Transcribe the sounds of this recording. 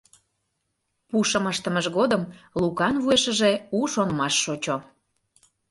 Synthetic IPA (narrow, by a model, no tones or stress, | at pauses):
puʃəməʃt̪ə̆məʒɣod̪əmlukɑnβueʃəʒeuʃonmɑʃːot͡ɕo